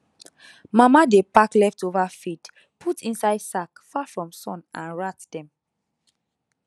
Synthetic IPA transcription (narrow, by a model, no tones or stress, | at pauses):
mamadepaklɛftovafit | pʰutʰĩnsaɪdsakfafɹɔ̃msɔ̃nãnɹatd̥ɛ̃m